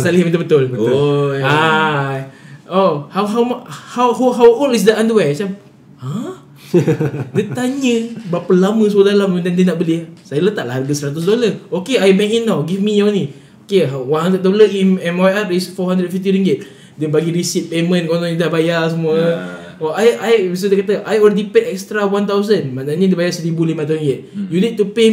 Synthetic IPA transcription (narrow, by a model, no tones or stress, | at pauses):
saliɦimənt̪ubət̪ʊlb | a | ohawɦawmhawɦoɦawʔolis̬dəãndəwat͡ʃam | a | dət̪aɲə̃bapəlamə̃səədalammnt̪andənaʔbəliasajələt̪aʔlaharɡəsəɾat̪̬ʊs̬dolaokeajbɛŋinːawɡifmijanĩ | okeɦawanhɦandɾət̪̚doləimɛnwajaʔisfɔɦãndɾət̚fift̪iɾiŋɡɪt̪̚ | dɛnbaɡiɾisit̪̚pemə̃nkonɔidahbajas̬əmuə | ɔajajbis̬odəkat̪əʔajolɾedipɛʔɛkst̪ɾawant̪awzənmãnaɲədəbajasəɾibulimãt̪aĩŋɡɪt̪̚junid̚tupe